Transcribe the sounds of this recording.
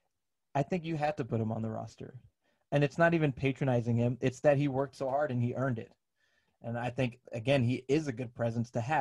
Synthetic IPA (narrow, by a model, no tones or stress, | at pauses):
aɪθɪ̃ŋkjɨɦæd̚tɨpʰʊɾɨ̃mə̰̃nðəɹɑ̰stə̰˞ | ɨ̃nɨtsnəɾivɨ̃npʰeɪt͡ʃɹ̥ɨnaɪzɪ̃ŋɪ̃mɪtsðɨt̚ɦiwɜ˞k̚tsoʊhɑɹɾɨ̃niʔɜ̃˞ndɪ̰t̚ | ʔɨ̃naɪθɪ̃ŋkɨɡɛ̃niʔɪzɨɡʊd̚pʰɹ̥ɛzə̃nstʰɨæ